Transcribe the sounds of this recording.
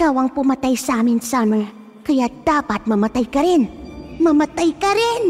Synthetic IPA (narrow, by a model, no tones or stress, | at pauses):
kawaŋpumat̪ajsaminsanə | kʰəjad̪̥apat̪̚məmat̪ajkaɾenməmat̪əjkaɾen